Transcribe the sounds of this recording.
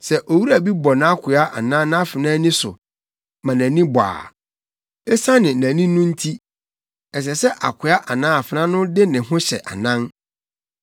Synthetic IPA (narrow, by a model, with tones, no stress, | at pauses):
sɛ˨ʔo˨wu˦ɾæ˨bi˦bɔ˨nã˨a˦kʰʊ˨a˦ʔa˨nã˦nã˦a˦fɪ˨nãː˦nĩ˦sʊ̰˨ | mã˨næ̃˨nĩ˦ba̰ː˨ | ɛ˦sa˦nɪ̃˨næ̃˨nĩ˦nũ˦n̩˦tʰi˦ | ɛ˨s̬ɛ˨sɛ˦ʔa̰˨kʰʷʊ˨˦a˦ʔa˨nã˦a˨fɪ˨nã˦nʊ̃˦dɪ˦nɪ̃˨ɦʊ̃˦ɕɛ̰˨ʔa̰˨nã˦n